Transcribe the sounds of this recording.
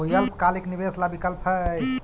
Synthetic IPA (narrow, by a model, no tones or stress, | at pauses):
ɦojəlp̚kaleknibeslabikəlpʰɦə